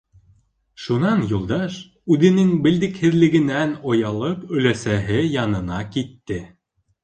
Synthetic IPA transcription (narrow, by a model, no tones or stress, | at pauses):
ʃunɑnjulˠd̪ɑʃ | ʉðɘ̆nɘŋbɘ̆ld̪ɘ̆khɘ̆ðlɘ̆ɡɘ̆nænŏjɑlˠɤpɵ̆læsæɦɘjɑnɤ̆nɑkit̪ːɘ